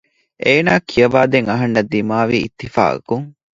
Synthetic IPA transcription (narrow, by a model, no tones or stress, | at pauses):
ʔeːnaːkʰijɐʋaːd̪eŋɐɦɐnːɐd̪ːimaːʋiːḭt̪ːifa̰ːʔɐ̰kuŋ